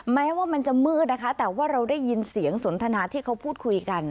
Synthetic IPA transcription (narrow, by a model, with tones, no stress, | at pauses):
mɛː˦˥waː˥˩ma˧nt͡ɕa˨˩mɯː˥˩t̪̚na˦˥kʰa˦˥t̪ɛː˨˩waː˥˩ɾa˧wdaː˥˩jːi˧nsi˨˩˦əŋso˩˦nt̪ʰa˧naː˨˦t̪ʰiː˥˩kʰa˦˥wpʰuː˥˩t̪̚kʰu˧jka˧n